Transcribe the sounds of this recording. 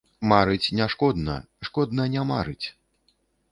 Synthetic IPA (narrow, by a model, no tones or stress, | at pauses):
maɾɨt͡sʲnʲaʂkɔd̪nɐ̰ | ʂkɔd̪nɐnʲama̰ɾɨt͡sʲ